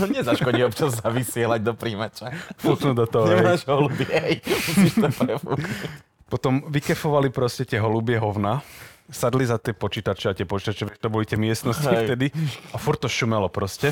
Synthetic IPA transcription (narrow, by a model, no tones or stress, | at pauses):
ɔɲɛzaʃkɔɟiɔpt͡ʃazːaʋisɪɛlaɟ̚d̪ɔpɾiːmɛt͡ʃɛfuknud̪ɔt̪ɔɦɔɲɛmaːʒɦɔlubɪɛjiʃt̪ɛpɾɛfṵknu | pɔt̪ɔmʋikɛfɔʋalipɾɔscɛt̪ɪɛɦɔlubɪɛɦɔʊnasad̪lizat̪ɪɛpɔt͡ʃiːt̪at͡ʃɛat̪ɪɛpɔt͡ʃit̪at͡ʃɛʋɛt̪ɔbɔlit̪ɪɛmɪɛst̪nɔscift̪ɛd̪iafuɾ̚t̪ɔʃumɛlɔpɾɔscɛ